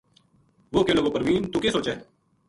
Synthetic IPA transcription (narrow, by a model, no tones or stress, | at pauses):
ʋoːkeːloːɡoːpəɾʋiːnt̪uːkeːsoːt͡ʃɛː